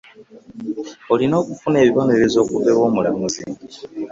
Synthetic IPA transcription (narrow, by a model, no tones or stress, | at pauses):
olino̞ːkufune̞ːβiβo̞ne̞ɾe̞zo̞ːkuβe̞βo̞ːmulamuzḭ